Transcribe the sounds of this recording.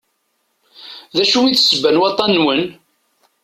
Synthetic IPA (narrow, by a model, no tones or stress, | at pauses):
ðæʃuiθsəbænwɑt̪ˤɑnːwən